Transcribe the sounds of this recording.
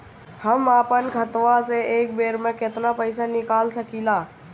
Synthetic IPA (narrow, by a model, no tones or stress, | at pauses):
həmaːpənkʰət̪ʋaseeːk̚beːɾmẽket̪napəɪsanɪkaːlsəkilaː